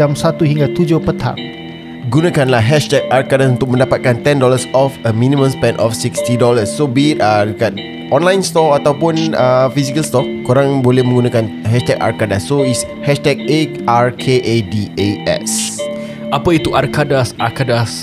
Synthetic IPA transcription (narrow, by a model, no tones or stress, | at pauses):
amsat̪uhiŋɡat̪ud͡ʒʊpət̪ʰa̰ŋ | ɡunãkanlahɦɛʃt̪ɛk̚arkadasunt̪ʊk̚mə̃ndapat̪̚kant̪ɛndɔləsɔfəmĩnĩmə̃mspɛ̃nʔɔfsikst̪idɔləsːobit̪̚ədəkat̪̚ | ɔ̃nlãjnst̪ɔfat̪awpʊnəfisikəlst̪ɔkkoɾãŋbolɛhmə̃ŋɡunãkanɦɛʃt̪ɛka̰rkadasːois | hɛʃt̪ɛk̚e | aɹkʰeʔedieʔɛ̰s | ʔapəit̪uʔarkadasakadas